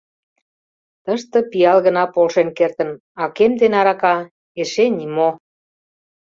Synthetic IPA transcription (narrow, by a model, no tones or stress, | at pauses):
t̪əʃt̪ə̆pijɑlɣə̆nɑpolʃenkert̪ə̆n | ɑkemd̪enɑɾɑkɑ | eʃenʲimo